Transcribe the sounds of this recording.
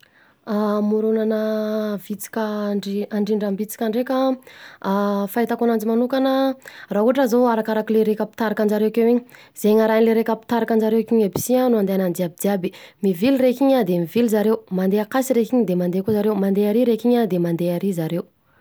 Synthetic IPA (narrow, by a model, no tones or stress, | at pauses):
amuɾunanəvit͡si̥kʲəɳɖ͡ʐiaɳɖ͡ʐiɳɖ͡ʐambit͡si̥kʲaɳɖ͡ʐekʲa | fait̪akunand͡zimanukanərauɦaʈ͡ʂazoaɾakaɾakileɾekapi̥t̪aɾakand͡ʒaɾewkewiɲi | z̥eɲaɾaɲileɾekapi̥t̪aɾakand͡ʒaɾewkiɲabi̥sianuand̪eanand̪iabid̪iabimivilirekiɲad̪emivilzaɾewmand̪eakasiɾekiɲd̪emand̪ekuzaɾewmand̪eaɾiɾekiɲad̪emand̪eaɾizaɾew